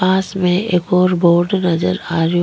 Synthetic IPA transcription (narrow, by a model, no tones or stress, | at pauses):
aːsmẽʔeːkɔːɾboːɾɖnɐzəɾaːɾj